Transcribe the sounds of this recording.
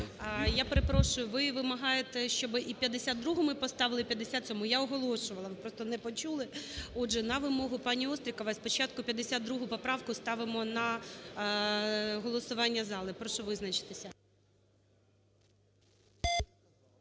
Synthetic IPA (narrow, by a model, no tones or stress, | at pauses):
japeɾepɾɔʃʊjʊʋɪʋɪmɐɦɑjet̪ɛʃt͡ʃɔbɪʔipʲjɐd̪ːesʲatd̪d̪ɾuɦʊmɪpɔst̪ɑʋɪlˠɪpʲjɐd̪ːesʲat̪sʲɔmujaɔɦɔlˠɔʃʊʋɐlˠɐʋɪpɾɔst̪ɔnɛpɔt͡ʃulˠɪɔdʒɛnɐʋɪmɔɦʊpɑnʲiɔst̪ɾʲikɐʋɪspɔt͡ʃɑt̪kʊpʲjɐd̪esʲad̪̚d̪ɾuɦʊpɔpɾɑwkʊst̪ɑʋɪmɔnɐ | ɦɔlˠɔsʊʋɑnʲːɐzɑlˠɪpɾɔʃɔʋɪznɐt͡ʃɪ̥t̪esʲɐ